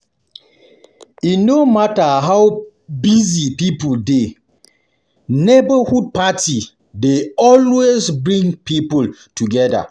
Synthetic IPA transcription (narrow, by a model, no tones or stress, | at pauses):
inomataɦaw | bizipipulde | nebahud̚patʰi | deɔlwezbɹĩŋpipultuɡɛda̰